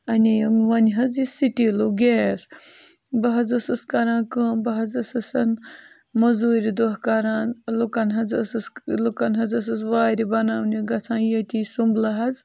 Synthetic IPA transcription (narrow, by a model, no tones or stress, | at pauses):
ɐniʋɐnɦɐd͡zisiʈiluɡeːs | bɐɦɐd͡zɐsɐskɐɾãːkəːmbɐɦɐzɐsɐsɐn | mɐzuːɾʲid̪oɦkɐɾaːnlukɐnɦɐd͡zɐsɐslukɐnɦɐd͡zɐs̬ɐsʋaːɾʲibɐnaːwniɡɐt͡sʰãːnjɐt̪isumblɐɦɐd͡z